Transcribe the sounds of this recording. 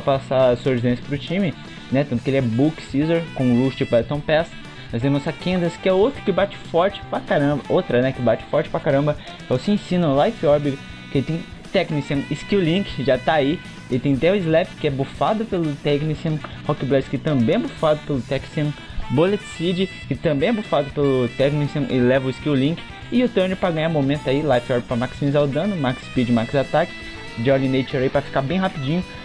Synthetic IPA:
pasasoɾʒɪzẽsɐ̥pɾʊt͡ʃĩmɪ | nɛt̪ɐ̃nt̪ʊkɪelɪɛbuksizoɾkõluʃd͡ʒɪpaɾt̪õpɛs | mɐzd̪emũzsɐkẽnd̪ɐskɪɛowt̪ɾʊkɪbat͡ʃɪ̥fɔɾt͡ʃɪ̥pɾakaɾɐ̃bɐʔowt̪ɾɐnɛkɪbat͡ʃɪ̥fɔɾt͡ʃɪ̥pɾakaɾɐ̃mbɐ | t̪ɐ̃w̃sɪẽsĩnɐlajfɔɾbid̪ʊ | kɪelɪt̪ẽj̃ | t̪ɛknisɐ̃nɪskiwlĩkɪ̥ʒat̪aːi | elɪt̪ẽj̃d̪ɛizlɛpkɪɛbofad̪ʊpelʊt̪ɛknisɐ̃n | hɔkɪblɛskɪt̪ɐ̃mbẽj̃ɛbofad̪ʊpelʊt̪ɛksɐ̃nbolet͡ʃ̪sid͡ʒɪ | kɪt̪ɐ̃mbẽj̃ɛbofad̪ʊpelʊt̪ɛknisɐ̃nʔḛllɛvɐʊiskiwlĩkɪ̥ | ɪʊt̪ɐɾneɪɾpɾɐɡɐ̃ɲ̃aɾmomẽnt̪ʊailajfɔɾbipɾɐmaksĩmzad̪ɐ̃nʊmakspid͡ʒɪmakzat̪akɪ̥ | d͡ʒɔɾlĩnejt͡ʃeɾaipɾɐfi̥kabẽj̃ɦapid͡ʒĩɲʊ

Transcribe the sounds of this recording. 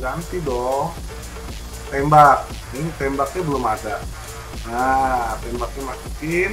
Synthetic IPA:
ɡant̪idɔh | t̪embak̚ | nit̪embak̚ɲabəlʊmadaʔ | at̪ɛmbak̚ɲamasukɪn

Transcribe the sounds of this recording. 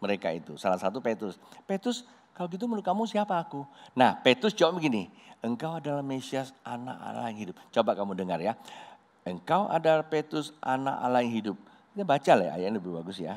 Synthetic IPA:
məɾeka̰ḭt̪usalasat̪upet̪ɾʊspet̪ɾʊs | kalaɡit̪̬umənlʊt̚kamusiapaːkunahpet̪ɾʊst͡ʃobaʔbəɡiniəŋkawadalahmesiasʔana̰ʔa̰la̰ɪŋɦidʊp̚t͡ʃobaʔkamudəŋarja | əŋkawʔa̰daapet̪ɾʊsʔa̰naʔa̰laɪŋɦidʊp̚ | kit̪abat͡ʃalaja̰jaʔnləbɪhbaɡʊsja̰

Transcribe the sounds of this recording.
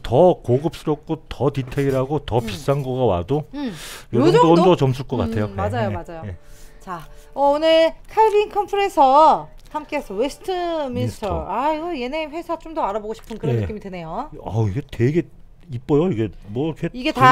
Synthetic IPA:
tʌkoɡɯp̚s͈ɯɾʌk̚k͈otʌtitʰeɡiɾaɡotʌpis͈anɡʌɡawa̰dojoʌnʌndʌt͡ɕʌmsʰuɭk͈ʌk͈a̰tʰe̞jomead͡ʑajomad͡ʑajojet͡ɕaʌonɯɭkʰaiɾiːnkʰʌmpʰɯɾensʰʌ | hamk͈eesʰʌwesʰɯ̥tʰɯminstʰaiɡʌje̞neɸwe̞sʰat͡ɕomdʌaɾaboɡoɕʰi̥pʰɯnkɯɾnenɯkk͈imidwene̞joaiɡe̞te̞ɡe̞ | ip͈̚ʌjoiɡe̞mwʌɾkʰeiɡe̞ta

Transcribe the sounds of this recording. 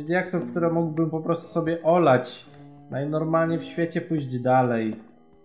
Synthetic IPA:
d̪ʲjaksɔfkt̪uɾɛmuɡwbɘmpɔpɾɔst̪u̥sɔbʲjɛʔɔlat͡ɕnajnɔɾmalɲɛfɕfʲjet͡ɕɛpujʑd͡ʑd̪alɛj

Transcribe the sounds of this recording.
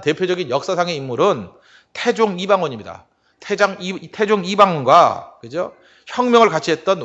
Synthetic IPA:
te̞pʰjod͡ʑʌɡinjʌk̚s͈asʰaŋe̞imːuɾɯn | tʰed͡ʑoŋibaŋwʌɲimɲida̰ | tʰed͡ʑaŋtʰe̞d͡ʑoŋibaŋɡwakɯd͡ʑo | çjʌŋmjʌŋɯɭkat͡ɕʰiɦe̞t̚t͈ʌn

